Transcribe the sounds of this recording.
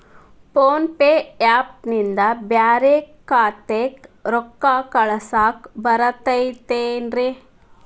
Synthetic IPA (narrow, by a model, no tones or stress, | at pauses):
poːnpeːaːp̚nind̪ɐbjaːɾeːkːaːt̪eːkɾɔkːaːkɐɭɐsaːkbɐɾɐt̪ɐjt̪eːnɾi